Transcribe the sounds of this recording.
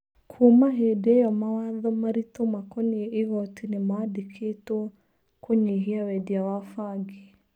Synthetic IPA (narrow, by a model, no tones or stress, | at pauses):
kʰomaɦedɛjɔmawaðɔmaɾitɔmakɔniːɣɔtʰinemaadikʰetɔ | kʰoɲeɦiawɛdiawafaɡi